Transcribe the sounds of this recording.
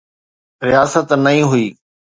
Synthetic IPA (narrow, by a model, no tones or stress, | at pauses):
ɾɪjaːsət̪nɐĩːɦʊiː